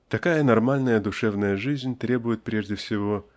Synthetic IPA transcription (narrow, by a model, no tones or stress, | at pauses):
t̪ɐkajənɐrmalʲnəjəd̪ʊʂɛvnəjəʐɨzʲnʲt̪ɾʲe̞bʊjɪt̪̚pɾʲe̞ʐdʲɪfsʲɪvo